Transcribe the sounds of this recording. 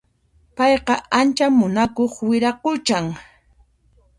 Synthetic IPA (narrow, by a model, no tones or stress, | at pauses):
pɑjqɑant͡ʃamʊnakoχwɪɾakʊt͡ʃaŋ